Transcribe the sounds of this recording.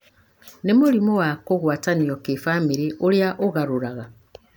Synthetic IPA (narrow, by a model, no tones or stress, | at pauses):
nemulimowakoɣwaːtanijokifamiɾiʔoljaʔoɣaɾuɾaɣa